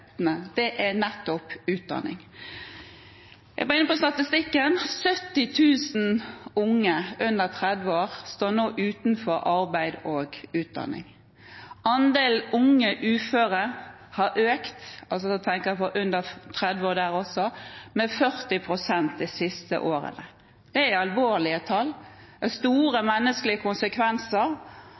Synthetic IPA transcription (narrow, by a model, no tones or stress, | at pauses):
əd̪̥ɛʔænɛt̪ːʊpʉːt̪̚d̪ɑ̰nɪ̰ŋ | ʔɛ̰ɡʋæːʁɪnːəpɔst̪ɑt̪ɪst̪ɪkːənsœt̪ːɪt̪ʰʉːsn̩ʊŋːəʔʉnd̪əʁt̪ʰʁɛd̪ʋəoːɾst̪oːnoːʔʉːt̪nfɔɾʔɑɾbæɪd̪oːɡʉːt̪̚d̪ɑ̰nɪ̰ŋ | ɑnd̪eːlʊŋːəʔʉːføːɾə | hɑʔøːkt̪ɑls̬ɔdt̪ʰɛŋkəɾæpɔɾʔʉnd̪ət̪ʰɾɛd̪ʋoːd̪æːɾɔsɔmɛfœɾt̪ɪpʰɾʊsɛnt̪̚d̪ɛsɪst̪ə̰ʔoːɾə̰nə | d̪̥ɛæɑlʋoːɾɭɪət̪ʰɑlː | ɛst̪uːɾəmɛnːəsklɪəkʰʊnsəkʰʋɛnsəɾ